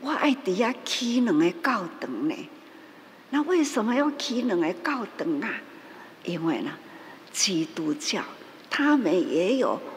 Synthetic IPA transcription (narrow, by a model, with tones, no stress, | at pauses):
wa˦ʔa˨˧˩ɪt̪i˨˩ja˥˧kʰi˦nɨ˨˩˦ŋe˧ka˥˩ʊwt̪ə˨˩ŋnḛ̃˨ | na˧we˥˩ɪsə˨˦mə˧ja˥˧˨ʊkʰi˦nɨ˨˦ŋe˨˧ka˥˩ʊt̪ə˨˩ŋa˧ | ʔi˦˥ŋwe˥˧˩na˧ | t͡ɕʰi˨˩t̪u˨˩˦t͡ɕja̰˨˩w | t̪ʰa˦mə˨nje˨˦jo̰˨˩